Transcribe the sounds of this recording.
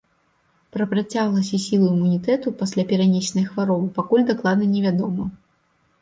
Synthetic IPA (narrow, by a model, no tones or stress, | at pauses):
pɾɐpɾat͡sʲaɣlˠɐsʲɐsʲilˠuimunʲit̪ɛt̪upasʲlʲapʲɛɾanʲesʲnɐjxvaɾɔbɨpakulʲd̪aklˠad̪nɐnʲɛvʲad̪ɔmɐ